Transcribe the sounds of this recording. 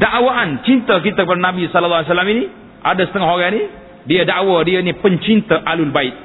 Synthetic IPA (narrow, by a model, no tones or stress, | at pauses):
daʔwaʔant͡ʃint̪əkit̪akəpadanãbisɔləlːals̬alamini | ʔadasə̥t̪əŋɔɦoɾani | diadaʔwadiainipəɲt͡ʃint̪əʔalʊlbaɪt̪̚